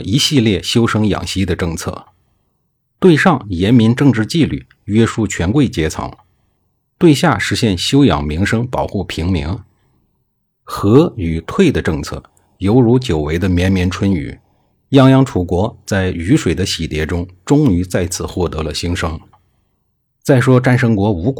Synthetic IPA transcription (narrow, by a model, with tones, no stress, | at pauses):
i˧˥ɕi˥˧ljɛ˥˧ɕjo˥ʊʂɤ˥ŋjɑ̰˨˩ŋɕi˥d̪ə˧ʈ͡ʂɤ˥˧ŋt͡sʰɤ̰˥˩ | t̪we˥˧ɪʂɑ˥˩ŋjɛ˧˥nmi˧˥nʈ͡ʂɤ˥˧ŋʈ͡ʂɻ̩˥˧t͡ɕi˥˧ly̰˥˩ | ɥɛ˥ʂu˥˩t͡ɕʰɥɛ˧˥nkwe˥˩ɪt͡ɕjɛ˥t͡sʰɑ̰˧˥˦ŋ | t̪we˥˧ɪɕja˥˩ʂɻ̩˧˥ɕjɛ˥˩nɕjo˥ʊjɑ̰˨˩ŋmi˧˥ŋʂɤ˥ŋpɑ˨˩ʊxu˥˩pʰi˧˥ŋmi˧˥ŋ | xɤ˧˥y˨˩t̪ʰwe˥˩ɪd̪ə˩ʈ͡ʂɤ˥˧ŋt͡sʰɤ̰˥˩ | jo˧˥ʊɻu˧˥t͡ɕjo˨˩ʊwe˧˥ɪd̪ə˧mjɛ˧˥nmjɛ˧˥nʈ͡ʂʰwə˥ny̰˨˩˦ | jɑ˥ŋjɑ˥ŋʈ͡ʂʰu˨˩kwɔ˧˥t͡sa˥˩ɪy˧˥ʂwe˨˩ɪd̪ə˦ɕi˨˩t̪jɛ˧˥ʈ͡ʂʊ˥ŋʈ͡ʂʊ˥ŋy˧˥t͡sa˥˩ɪt͡sʰɹ̩˨˩xwɔ˥˩t̪ɤ˧˥lə˧ɕi˥ŋʂɤ˥ŋ | t͡sa˥˩ɪʂwɔ˥ʈ͡ʂa˥nʂɤ˥ŋkwɔ˧˥u˧˥k